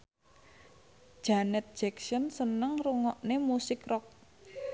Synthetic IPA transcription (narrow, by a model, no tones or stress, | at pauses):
ʒ̥anɛt̪̚d̥ʒ̥ɛksɔnsənəŋruŋɔʔnemusɪkrɔk̚